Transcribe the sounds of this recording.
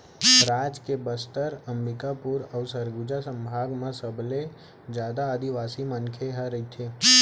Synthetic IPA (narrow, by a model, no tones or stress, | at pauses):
ɾaːd͡ʒkebəst̪əɾəmɾɪkapuɾɔʊsəɾɡud͡ʒasə̃mbʱaːɡmãsəble | d͡ʒjaːd̪aəd̪iʋaːsimənkʰeɦəɾəɦit̪ʰeː